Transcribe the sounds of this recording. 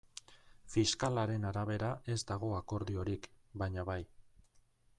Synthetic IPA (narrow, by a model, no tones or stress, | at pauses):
fiskalaɾe̞naɾaβ̞e̞ɾaʔe̞zd̪aɣ̞o̞ako̞ɾðio̞ɾikbajɲaβaj